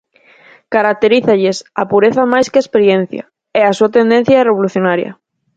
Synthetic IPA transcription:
kaɾak̚t̪eɾiθaʎesapuɾeθɐmajskeaespeɾjen̟θja̰ | ɛasuat̪end̪ẽn̟θjaɛreβoluθjonaɾjɐ̰

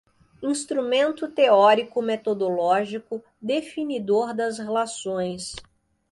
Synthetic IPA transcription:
ĩst̪ɾumẽnt̪ʊt̪eɔɾikʊmet̪od̪olɔʒikʊ | d̪efinid̪oɾd̪ɐzhelasõj̃s

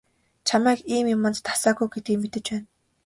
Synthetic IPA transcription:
t͡ɕʰamæːkiːmjʊmə̆nt̪t̪ʰḁsaːɡujɡet̪ɡiːmet̪ɘ̆t͡ɕpæːn

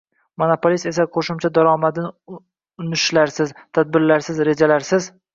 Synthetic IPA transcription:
monopolist̪e̞saqʰoʃɪmt͡ʃʰad̪aɾɒmad̪ɪn | ʊnɪʃlaɾsɪzt̪ʰad̪̚bɪɾlaɾsɪzɾe̞d͡ʒalaɾsɪz

